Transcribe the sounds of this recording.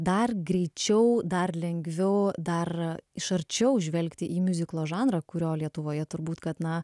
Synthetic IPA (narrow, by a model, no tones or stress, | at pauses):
d̪ɐrɡɾʲɛɪt͡ʃʲɛʊd̪ɐrlʲɛŋʲɡʲʋʲɛʊd̪ɐrɪʃɐɾʲt͡ʃʲɛʊʒʲʋʲɛlʲkt̪ʲɪʔiːmʲʊzʲɪklˠoːʒɑːnɾɐkʊɾʲoːlʲiɛt̪ʊʋoːjɛt̪ʊɾbuːt̪kɐt̪nɐ